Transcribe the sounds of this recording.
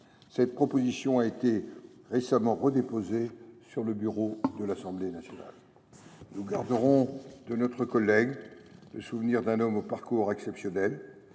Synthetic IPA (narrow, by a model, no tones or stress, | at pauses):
sɛt̪̚pχɔpozisjɔ̃aet̪e | ʁesamɑ̃ʁəd̪epozesyʁləbyʁod̪əlasɑ̃blenasjɔna̰l | nuɡaʁd̪əʁɔ̃d̪ənɔt̪χəkɔlːɛɡləsuvniʁd̪ɛ̃nɔmopaʁkuʁɛksɛpsjɔnɛl